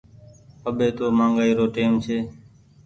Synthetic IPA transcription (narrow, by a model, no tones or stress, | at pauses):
əɓeːt̪oːmãːŋɡaːiːɾoːʈeːmt͡ʃʰeː